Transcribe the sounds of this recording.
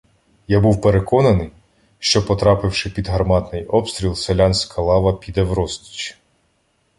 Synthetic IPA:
jabuwpeɾekɔnɐnɪj | ʃt͡ʃɔpɔt̪ɾɑpɪwʃɪpʲid̪ɦɐrmɑt̪nɪjɔpst̪ʲɾʲilˠselʲansʲkɐlˠɑʋɐpʲid̪ɛwɾɔsʲt̪ʲi̥t͡ʃ

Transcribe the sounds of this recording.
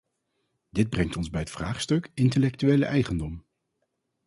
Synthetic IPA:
dɪd̚brɛŋtɔnzbɛjɦətfraːχstɵkɪntəlɛk̚tyʋejləʔɛjχəndɔm

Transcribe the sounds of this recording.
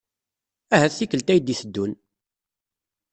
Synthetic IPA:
æhæθikəlt̪æjd̪iθəd̪ːun

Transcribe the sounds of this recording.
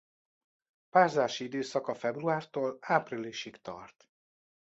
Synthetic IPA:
paːrzaːʃiid̪øːsɒkɒfɛbruaːrt̪oːlaːprilːiʃikt̪ɒ̰rt̪

